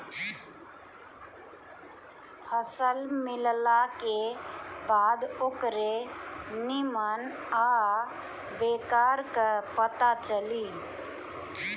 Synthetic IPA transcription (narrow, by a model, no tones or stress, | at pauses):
pʰəsəlmillakebad̪okɾenimən | a | bekaɾkəpət̪at͡ʃəli